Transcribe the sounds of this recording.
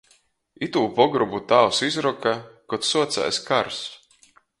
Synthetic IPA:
it̪uːpɔɡɾubut̪awsizɾɔkakɔt̪suɔt̪sa̰jskaɾs

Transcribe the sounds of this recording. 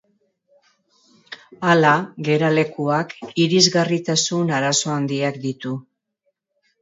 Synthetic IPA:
alaɣe̞ɾale̞kuakiɾizɣarit̪asunaɾaso̞and̪iakd̪it̪u

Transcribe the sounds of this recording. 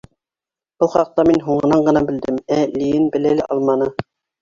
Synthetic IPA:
b̥ɤlˠχɑq̚t̪ɑminɦuɴɤ̆nɑɴɢɤ̆nɑbɘ̆ld̪ɘmælijɘnbɘ̆lælɘʔɑlˠmɑnɤ

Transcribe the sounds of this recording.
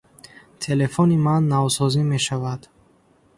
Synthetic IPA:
t̪ʰe̞le̞fɔnimanːavsɔzime̞ʃavad̪

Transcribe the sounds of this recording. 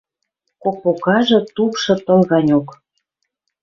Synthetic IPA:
kok̚pokɑʒɤ̆t̪upʃɤ̆t̪ɤ̆lɣɑnʲok

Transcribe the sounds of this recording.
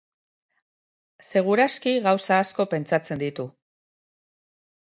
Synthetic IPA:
se̞ɣ̞uɾaskiɣawsaːsko̞pe̞nt͡sat͡se̞nd̪it̪u

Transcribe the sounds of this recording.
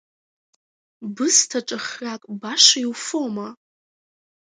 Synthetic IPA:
bɨstʰaʈ͡ʂʼaχrakʼbaʂaiwfoma

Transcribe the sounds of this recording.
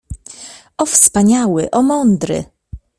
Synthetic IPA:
ɔfspaɲawɘʔɔmɔnd̪ɾɘ̰

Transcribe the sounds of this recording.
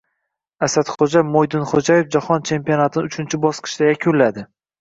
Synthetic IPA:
asat̪χod͡ʒamojd̪ɪnχod͡ʒaje̞fd͡ʒahɒnt͡ʃʰe̞mpionat̪ʰɪnɪʊt͡ʃʰɪnt͡ʃʰɪbɒsqʰɨ̥ʃd̪ajakʲʰʊlːad̪ɪ

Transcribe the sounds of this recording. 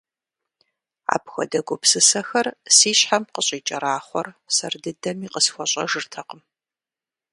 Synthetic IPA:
a̰ːpxʷɔ̰dɐɡʷʊpsɨsɐxɐrsiːɕħamqəɕʼiːt͡ʃʼɐɾaːχʷɔrsɐrdɨdɐmiːqəsxʷɔɕʼɐʒɨrtʰɐqəm

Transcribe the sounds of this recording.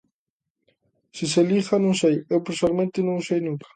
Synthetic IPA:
sis̬elixɐnõwsejewpeɾsoalmẽnt̪ɪnõŋsejnũŋkɐ̥

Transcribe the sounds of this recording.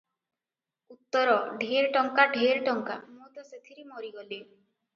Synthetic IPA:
ut̪ːɔɾɔɖʱiɾʈɔŋkaɖʱiɾʈɔŋka̰mot̪ɔset̪ʰiɾimɔɾiɡɔli

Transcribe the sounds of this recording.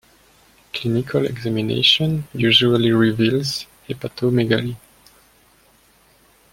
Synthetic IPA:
kʰlinikʰalɛ̰ɡzaminḛʃɔ̃njuʒualiɹivilz | epat̪ʰomeɡali

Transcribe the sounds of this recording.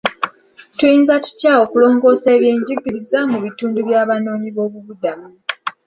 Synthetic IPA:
tujiːnzatu̥cao̞kulo̞ːŋɡo̞ːse̞ːβje̞ːɲɟiɡiɾizamuβituːnduβjaːβano̞ːɲiβo̞ːβuβudamu

